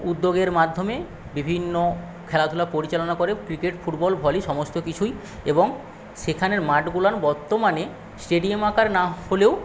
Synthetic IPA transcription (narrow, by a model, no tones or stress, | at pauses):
ud̪ːoɡeɾmad̪ʱːome | bibʱinːo | kʰɛlat̪ʰulapoɾit͡ɕalonakoɾekɾikeʈfʰuʈbɔlbʱɔliʃɔmost̪okit͡ɕʰuj | eboŋ | ʃekʰaneɾmaʈɡulanbɔɾt̪omane | sʈeɖiamakaɾnaholeo